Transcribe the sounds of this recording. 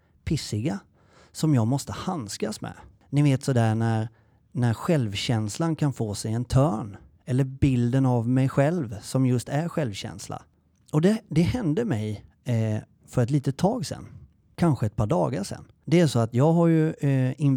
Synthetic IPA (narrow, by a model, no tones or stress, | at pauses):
pʰɪsɪɡa | sɔmjɑːɡmɔst̪əhanskasmɛ̰ | nɪveːt̪sɔd̪æːɳæɾ | næɾɧɛlvɕɛnslankʰanfoːsɛjɛnt̪ʰœːɳ | ɛlːəɾbɪld̪ənavmɛjɧɛlvsɔmjɵst̪æɾɧɛlvɕɛ̰nsla̰ | ɔd̪ɛd̪ɛhɛnd̪əmɛj | fœɾɛt̪liːt̪ət̪ʰːɑːɡsɛ̰nː | kʰanɧəɛt̪̚pʰɑɖɑ̰ːɡaʂɛ̰nː | d̪ɛæɾʂɔat̪jɑːɡɦaɾjɵɪn